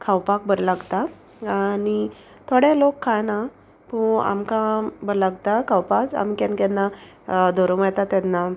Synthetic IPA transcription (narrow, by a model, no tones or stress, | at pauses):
kʰawpak̚bəɾlaɡt̪a | ani | t̪ʰoɽelokʰːajna | pua̰mkãbəɾlaɡt̪akʰawpat͡sa̰mikankanːa | d̪ʱoɾomajt̪at̪janːa